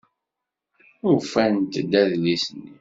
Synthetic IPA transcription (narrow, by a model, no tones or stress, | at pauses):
ʊɾfænt̪d̪æðlisənːi